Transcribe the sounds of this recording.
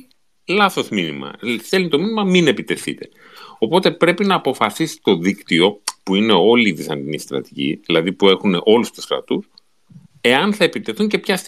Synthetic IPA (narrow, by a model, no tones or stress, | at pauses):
lɐθo̞zminimɐ̰selinit̪o̞minimɐmine̞pit̪e̞θḭt̪e̞̥ | o̞po̞t̪e̞pɾe̞pinɐːpo̞fɐsisi̥t̪o̞ðikt̪io̞puine̞o̞liːðisɐnd̪inist̪ɾɐ̰t̪i̥cḭðilɐðipue̞xune̞ʔo̞lust̪u̥skɾɐ̰t̪us | e̞ɐnθɐe̞pit̪e̞θuɲce̞pçɐst̪